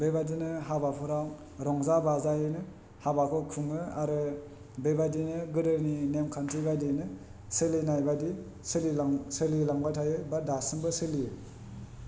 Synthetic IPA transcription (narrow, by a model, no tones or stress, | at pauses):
bebadinɯɦabapʰuɾa | ɾɔŋzabazajɯnɯ | habakʰɔkʰuŋɯaɾɯ | bebadinɯɡɯdɯɾninemkʰantʰibadinɯ | sɯlinajbadi | sɯlisɯlilaŋbatʰajɯbadasɯŋbɯsɯlijɯ